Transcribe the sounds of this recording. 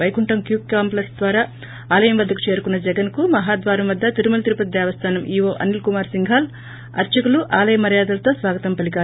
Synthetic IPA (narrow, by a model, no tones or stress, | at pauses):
ɐjkuɳʈɐmkjuːk̚kaːmplɐsd̪ʋaːɾaː | aːlɐjɐmʋɐd̪ʱːɐku̥t͡ʃe̞ːɾukunːɐd͡ʒɛɡɐnkumɐɦaːd̪ʋaːɾɐmʋɐd̪ʱːɐt̪iɾumɐlt̪iɾupɐt̪id̪ɛɐʋɐst̪ʰaːnɐmʔiːʋoːʔɐ̰nilkumaːɾsiŋɡʱaːl | ɐ̰ɾt͡ʃɐkuluʔaːlɐjɐmːɐɾjaːd̪ɐlɐt̪o̞ːsʋaːɡɐt̪ɐmpɐlikaː